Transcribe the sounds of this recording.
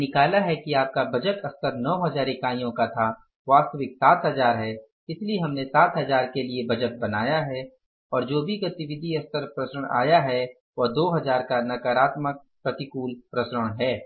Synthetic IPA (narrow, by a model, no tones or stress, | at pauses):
nɪkaːlaɦɛkiaːp̚kabʱɐd͡ʒəʈɐst̪əɾnɔːɦɐd͡ʒaːɾikaːĩjõkat̪ʰa | ʋaːst̪əʋɪksaːt̪ʰɦɐzaːɾɦɛ | ɪslieɦɐmnesaːt̪ʰɦɐzaːɾkeliebɐd͡ʒəʈ̪̚bɐnaːjaɦɛ | ɔːɾd͡ʒoːbʱiɡɐt̪iʋɪd̪ʱiɐst̪əɾpɾɐsəɽ̃a̰ːjaɦɛ | ʋod̪oːɦɐzaːɾkanɐkəɾaːt̪mək̚ | pɾɐt̪ɪkuːlpɾɐsɾəɽ̃ɦɛː